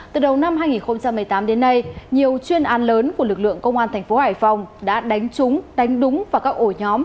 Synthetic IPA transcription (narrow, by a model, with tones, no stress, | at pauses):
t̪ɨ˨˩ɗə˨˩wna˧mɦaː˧jŋi˨˩nxo˧ŋ͡mt͡ɕa˧mːɨ˨˩əjt̪aː˨˦mɗe˨˦nːa˧jɲi˨˩əwt͡ɕwi˧ənʔaː˨˦nləː˨˦nku˧˩əlɨ˨˩k̚lɨ̰˧˨əŋkə˧wŋ͡mʔaː˧nt̪ʰŋ̟fo˨˦haː˧˩jfa˨˩wŋ͡mɗa̰ː˧˥ɗa˨˦jŋ̟t͡ɕʊ˨˦ŋ͡mɗa˨˦jŋ̟ɗʊ˨˦ŋ͡mvaː˨˩kaː˦˥k̚ʔo˧˩ɲɔ˨˦m